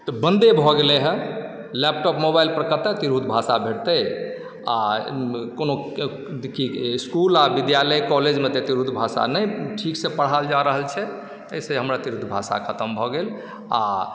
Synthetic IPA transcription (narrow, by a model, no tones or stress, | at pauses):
t̪ɔbə̃nd̪ebʱɔɡeleɦɛ̃ | lɛp̚ʈɔpmobajlpɾəkəɾt̪at̪iɾɦud̪ʱbʱasabʱeʈt̪ə | a | kono | kiskulabid̪jaləjkɔled͡ʒmẽt̪et̪iɾud̪bʱasa̰nəjʈʰiksepəɽ̤ald͡ʒaɾəɦəlt͡ʃʰɛ | əjseɦəmɾat̪iɾud̪ʱbʱasa̰kʰət̪ʰəmbʱɔɡel | a̰